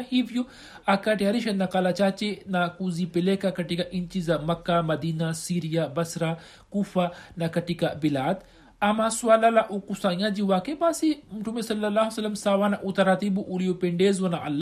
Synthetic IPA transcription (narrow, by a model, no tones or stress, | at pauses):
hiʋju | akaʈiɐɾiʃɐnakalat͡ʃaːt͡ʃenakuzipɪlekakɐʈikaʔint͡ʃizamɐkːamɐd̪iːnasiːɾijabɐsɾa | kuːfanakɐʈikabilaːd̪ | amãsuaːlalaʔukusaːjãd͡ʒiʋaːkebaːsimuʈʰumesɐlːɐlːaːɦsɐlːɐmsaːʋanaʔut̪ɐɾaːt̪ibuʔulijopeɳɖeːzonaʔɐlː